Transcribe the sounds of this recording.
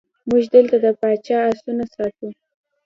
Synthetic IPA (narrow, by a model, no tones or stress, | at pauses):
muʒd̪əlt̪ad̪əpɑt͡ʃɑasunasɑt̪u